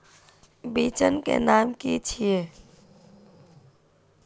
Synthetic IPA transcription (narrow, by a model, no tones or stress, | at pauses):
biːt͡ʃənkḛnaːmkit͡ʃʰie